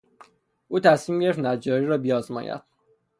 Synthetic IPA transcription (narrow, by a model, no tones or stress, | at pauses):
ʔuːt̪ʰæsmiːmɟeeft̪næd͡ʒɒːɾiːɾɒːbijɒːzmɒ̰ːjæ̰d̪̥̚